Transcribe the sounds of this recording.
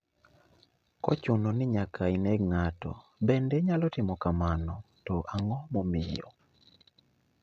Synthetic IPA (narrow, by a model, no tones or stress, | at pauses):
kɔ̰t͡ʃʊnɔnɪɲakainɛɡŋatɔ̰ | bɛndɛɲalɔtɪmɔkamanɔ | tɔʔaŋɔmɔmɪjɔ̰